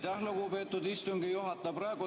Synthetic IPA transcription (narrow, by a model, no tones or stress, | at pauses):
t̪æhlokuːpeːt̪ːud̪ist̪uŋɡijuɦɑt̪ːˑɑprɑeko